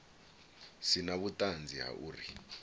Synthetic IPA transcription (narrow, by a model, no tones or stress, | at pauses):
sinaβutʼand͡zʱiɦa̰ʔuːri